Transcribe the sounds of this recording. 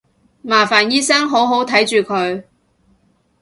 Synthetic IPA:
maː˨˩faː˨˩njiː˥sɐ˥ŋɦo˨˥wɦo˨˥wt̪ʰɐ˨˥jt͡ʃyː˨kʰɵ˨˧ɥ

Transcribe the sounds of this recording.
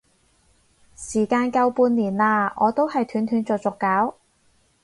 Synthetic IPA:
siː˨˩kaː˧nkɐ˧wpuː˧nliː˨˩nlaː˧ʔɔː˨˧t̪o˥whɐ˨jt̪ʰyː˨˥nt̪ʰyː˨˧˥nt͡sɔː˨t͡sʊ˨kːaː˨˥w

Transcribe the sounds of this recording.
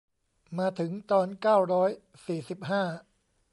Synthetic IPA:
maː˧˥t̪ʰɯ˩˦ŋt̪ɔː˧nkaː˥˩wɾɔː˦˥j | siː˨˩si˨˩p̚ɦaː˥˩

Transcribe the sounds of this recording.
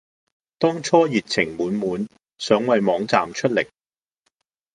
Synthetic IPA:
t̪ɔː˥ŋt͡ʃʰɔː˥jiː˨t̚t͡sʰɪ˨˩ŋmuː˨˥nmuː˨˥n | sœː˨˥ŋwɐ˨jmɔː˨˧˥ŋt͡saː˨mt͡ʃʰɵ˥t̚lɪ̰˨˩k̚

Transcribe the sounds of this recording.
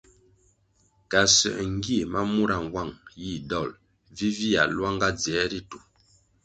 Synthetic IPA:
ka˨sɛ̰˨ʔŋ̩˦ɡi˦˨ma˦mu˦ɾa˨n˨wa˦˨ŋji˦˨dɔ˦˨l | vi˦vi˦a̰˨lwa˦ŋɡa˦d͡zɛ˨˦ɾi˦tu˨

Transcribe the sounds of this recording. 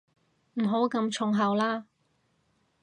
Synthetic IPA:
m̩˨˩ɦo˨˥wkɐ˧mt͡ʃʰʊ˨˧ŋɦɐ˨˩wlaː˥

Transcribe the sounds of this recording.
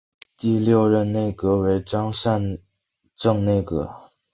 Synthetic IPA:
t̪i˥˧ljo˥ʊɻə˥˧nne˥˩ɪkɤ˧˥we˧˥ɪʈ͡ʂɑ˥ŋʂa˥˧n | ʈ͡ʂɤ˥˧ŋne˥˩ɪkɤ̰˧˥

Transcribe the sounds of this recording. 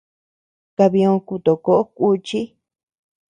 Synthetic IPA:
ka˧βi˧õ˧ku˧t̪o˨ko˧˦ʔo˦kʷu˧t͡ʃi˦

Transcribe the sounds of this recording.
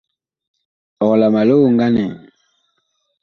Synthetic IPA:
ɔ˨la˨ma˨lo˦˨ŋɡa˦nɛ̰˨

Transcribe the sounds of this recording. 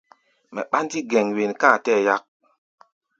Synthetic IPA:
mɛ̰˨ɓa˦ndi˦ɡɛ˨ŋwe˨nka˦˨tɛː˦˨ja˦k̚

